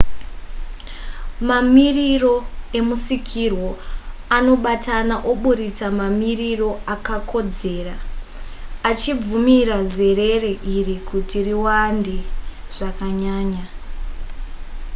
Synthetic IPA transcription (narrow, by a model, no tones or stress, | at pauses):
mamiriro̞e̞musikʰirwo̞ano̞ɓatʰanaʔoɓuɾit͡samamiriro̞akakʰo̞d͡ze̞ːra | at͡ʃib͡vumiɾaze̞re̞reʔirikutiriwandi | ʐ̥akaɲaːɲa